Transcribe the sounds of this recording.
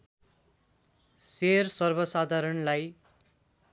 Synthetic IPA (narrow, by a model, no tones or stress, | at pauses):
sersʌrbʌsad̪ʱaɾʌnlaj